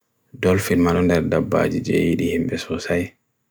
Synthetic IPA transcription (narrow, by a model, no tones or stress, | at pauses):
dɔlfinmaɗɔndɛɾdabːa̰d͡ʒid͡ʒɛ̰jiɗihimbɛsɔsaj